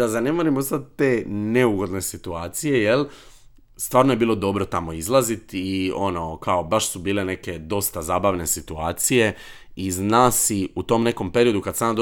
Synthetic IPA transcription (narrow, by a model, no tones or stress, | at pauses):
d̪azane̞moɾimost̪at̪̚ːeːne̞uɡo̞d̪ne̞sit̪uaːt̪sije̞je̞l | st̪ʋaːɾnoje̞biːlˠo̞d̪o̞bɾo̞t̪amo̞izlˠazit̪io̞no̞kaobaʃsubiːle̞ne̞ke̞d̪o̞st̪azaːbaʋne̞sit̪uaːt̪sije̞ | iznaːsiut̪o̞mne̞ko̞mpe̞ɾio̞d̪ukad̪saːmad̪o